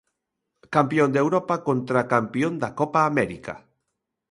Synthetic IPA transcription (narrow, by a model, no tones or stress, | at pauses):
kampjond̪ewɾopakont̪ɾakampiond̪akɔpaːmɛɾika̰